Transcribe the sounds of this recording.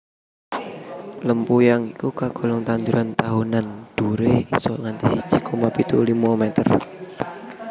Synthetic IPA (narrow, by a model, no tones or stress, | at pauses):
ləmpujaŋikukaɡ̥ɔ̤lɔŋt̪and̪uɾʔant̪aɦunand̪̥uɾeisɔŋant̪isid̥ʒ̥ikɔmapit̪ulimɔmɛt̪ər